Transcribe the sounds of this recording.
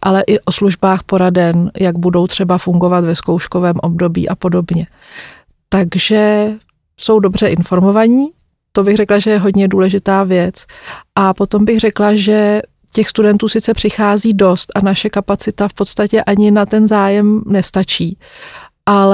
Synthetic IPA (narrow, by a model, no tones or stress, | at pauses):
ʔalɛʔɪʔo̞sluʒbaːxpo̞ɾadɛnjaɡ̚budo̞wt̪r̥ɛbafuŋɡo̞vat̪vɛsko̞wʃko̞vɛːmʔo̞bdo̞bḭːʔapo̞do̞bɲɛ | t̪aɡʒɛ | so̞wdo̞br̝ɛʔɪnfo̞ɾmo̞vaɲiː | t̪o̞bɪxrɛklaʒɛjɛɦo̞d̪ɲɛduːlɛʒɪt̪aːvjɛt͡sʔapo̞t̪o̞mbɪɣrɛklaʒɛ | cɛxst̪udɛnt̪uːsɪt͡sɛpr̝̥ɪxaːziːdo̞st̪ʔanaʃɛkapat͡sɪt̪afpo̞t̪st̪acɛʔaɲɪnat̪ɛnzaːjɛmnɛst̪at͡ʃiː | ʔa